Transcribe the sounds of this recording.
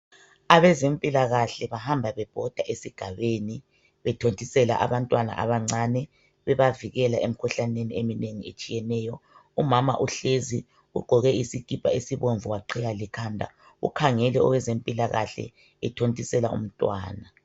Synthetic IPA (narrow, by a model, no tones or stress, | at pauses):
aβɛzempʼilaɣaɬɛβahambʱaβɛb̥ʱɔd̥ʱaʔesiɡ̥ʱaβeːni | βɛtʰontʼisɛla̰ʔa̰βantʼwana̰ʔa̰βaŋ͡ǀanɛ | βɛβaviɣɛlaʔem̩kʰuɬaneniemineŋiet͡ʃʼijɛnɛːjɔumama̰ʔuɬezi | uɡ͡ǃʱɔɣɛisikʼipʰʼaesiβoɱvuwaǃʰiɣalikʰandʱa̰ | ṵkʰaŋɛlɛɔ̰ɣwɛzempʼilaɣaɬɛ̰ | ɛtʰontʼisɛla̰ṵm̩tʼwa̰ːna